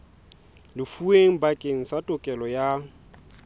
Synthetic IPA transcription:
lɪfueŋ̩bakʼeŋ̩satʼʊkʼɛlɔja

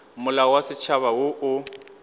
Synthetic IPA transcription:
mʊlawasɪt͡ʃʰaβawoʔʊ

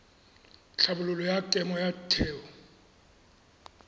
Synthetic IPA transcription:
ɬabulʊlɔjakʼɛmɔjatʰɛːwɔ

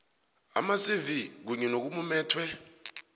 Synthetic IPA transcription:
a̰masivik̬uɲɛnok̬umumɛːtʰwɛ

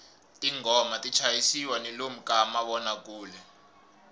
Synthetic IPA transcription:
tʼiŋɔmatʼit͡ʃʰajisiwanɛlom̩kʼamaɓɔnak̬ʼuːlɛ

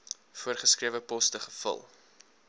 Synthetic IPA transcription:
fuərχəskriəvəpɔstəχə̥fə̰lˠ

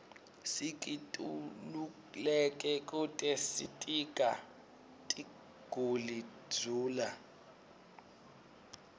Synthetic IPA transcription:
sikʼitʼulu | lɛkʼɛkʼutʼɛsitʼikʼa | tʼi | ɡ̥ʱuli̥d͡zʱuːla

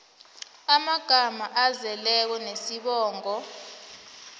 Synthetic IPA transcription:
amaɡ̥ʱamaʔazɛlɛk̬ɔnesiɓɔːŋɔ

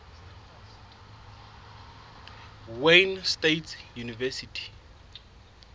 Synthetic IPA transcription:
wenstetsjunivɛsitʰi̥

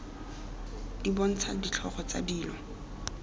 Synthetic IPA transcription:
dibɔn̩t͡sʰadit͡ɬʰɔχɔt͡sa̰diːlɔ

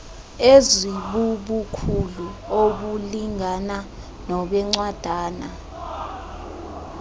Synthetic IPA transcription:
eziɓuɓukʰuluok̬uliŋana | nɔɓɛŋ͡ǀwad̥ʱaːna̰

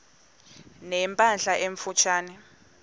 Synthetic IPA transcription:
nɛmpʼanɬaʔeɱfut͡ʃʰaːnɛ

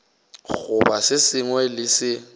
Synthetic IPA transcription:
ɣʊbasɪsɪŋwɛlɪsɪ

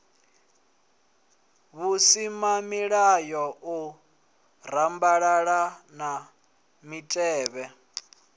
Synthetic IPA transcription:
βusimamiɺajɔʔu | rambaɺaɺana | mitʼɛːβɛ

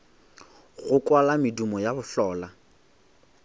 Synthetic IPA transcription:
ɣʊkʼwalamɪdumɔjabʊɬɔːla

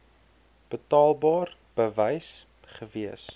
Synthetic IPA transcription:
b̥ətɑːlˠbɑːrb̥əvəjs | χəviəs

